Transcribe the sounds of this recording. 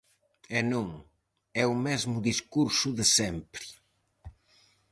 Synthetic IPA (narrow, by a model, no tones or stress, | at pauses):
ɛnũŋ | ɛʊmezmʊðiskuɾsʊðɪsɛmpɾɪ̥